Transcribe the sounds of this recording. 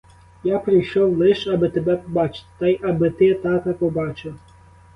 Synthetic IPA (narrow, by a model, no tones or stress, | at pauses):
japɾɪjʃɔwlˠɪʃɐbɪt̪ebɛpɔbɑt͡ʃt̪ɐjɐbɪt̪ɪt̪ɑk̪ɐpɔbɑt͡ʃɪw